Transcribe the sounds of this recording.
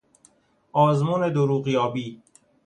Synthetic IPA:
ɒːzmuːned̪oɾuːɣjɒːbiː

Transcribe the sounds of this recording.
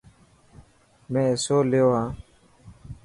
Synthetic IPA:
mẽːesoːleoːɦãː

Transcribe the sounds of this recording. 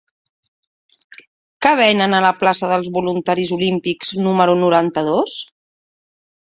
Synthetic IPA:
kəβ̞ɛnənələplasəðəlˠzβulunt̪aɾizulimpikz̥numəɾunuɾant̪əðos

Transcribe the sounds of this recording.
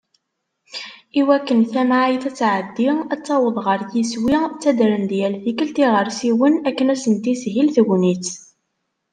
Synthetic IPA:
iwækːənθæmʕijθæt͡sːʕəd̪ːiæt͡sːɑwəðˤʁəɾjiswit͡sːæd̪ɾənd̪jælθikəlt̪iʁəɾsiwənækːənæsənt̪isɦilθɡʷnit͡s

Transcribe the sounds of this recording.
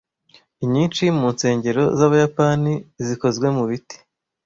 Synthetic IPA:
iɲiːnt͡ʃimuːnse̞ːɲɟe̞ɾo̞̰zaβajapaniziko̞zɡwe̞muβiti̥

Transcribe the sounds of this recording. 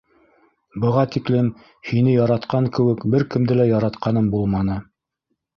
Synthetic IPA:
bɤ̆ʁɑt̪iklɘm | hinɘjɑɾɑt̪qɑŋkɘ̆wɘkbɘɾkɘ̆md̪ɘlæjɑɾɑt̪qɑnɤmbulˠmɑnɤ

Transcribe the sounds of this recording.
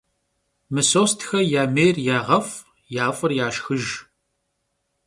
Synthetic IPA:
mɨsoːstʰxɐjaːmeːjrjaːʁɐf | jaːfʼɨrjaːʃxɨʒ

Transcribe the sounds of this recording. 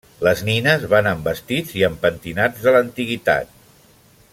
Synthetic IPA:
ləzninəzβanəmbəst̪id͡ziəmpənt̪inad͡zðələnt̪iɣit̪a̰t̪̚

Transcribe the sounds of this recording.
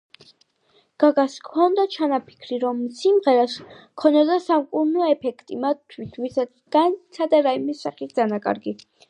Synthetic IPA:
ɡ̥aɡaskʰɔnd̪at͡ʃʰanapʰi̥kʰɾiɾɔmsimʁɛɾaskʰɔnɛd̪asamkʼuɾnɔɛpʰɛkʰt̪ʼimat̪ʰːwit̪ʰvisa | ɡ̥ansʰad̪aɾaimisːaχit̪̚ʰd̪zanakʼa̰ɾɡi

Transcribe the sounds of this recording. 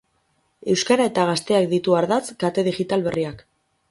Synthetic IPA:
e̞wskaɾae̞t̪aɣ̞ast̪e̞ak̚d̪it̪uaɾðat͡skat̪e̞ð̞iɣit̪alβe̞riak

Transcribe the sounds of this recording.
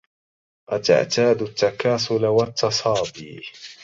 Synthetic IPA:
ʔat̪a̰ʕt̪aːd̪ʊt̪ːakaːsʊlawat̪ʰːɑsˤɑːd̪iː

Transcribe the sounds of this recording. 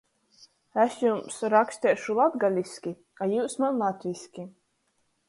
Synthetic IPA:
ɛsjumsɾaksʲt̪ʲɛːʃulˠad̪ɡalʲiskʲi | kajuːsmanlˠat̪ʲvʲisʲkʲi

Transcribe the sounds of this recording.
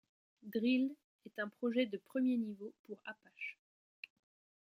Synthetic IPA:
d̪ʁil | ɛt̪ɛ̃pχɔʒɛd̪əpχəmjenivopuʁapaʃ

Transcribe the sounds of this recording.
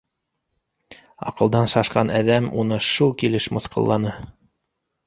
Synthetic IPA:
ɑ̰qɤ̆lˠd̪ɑnʃɑʃqɑnʔæðæmunɤʃulˠkilɘʃmŏθqɤ̰̆lˠːɑnɤ

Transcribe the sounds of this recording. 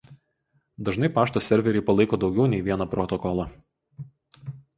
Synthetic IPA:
d̪ɐʒnɐɪpɑːʃt̪oːsʲɛɾʲʋʲɛɾʲɛɪpɐlˠɐɪkoːd̪ɒʊɡʲɛʊnʲɛɪʋʲiɛnɐpɾɔt̪ɔkɔlˠɐ

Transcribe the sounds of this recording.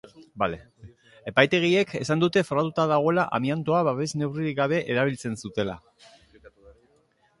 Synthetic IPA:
bale | e̞pajt̪e̞ɣ̞ie̞ke̞sand̪ut̪e̞foɾat̪ut̪aðaɣ̞o̞elaʔa̰miant̪o̞aβaβe̞zne̞wriiɡaβ̞e̞ʔeɾaβ̞ilt͡se̞nsut̪e̞la̰

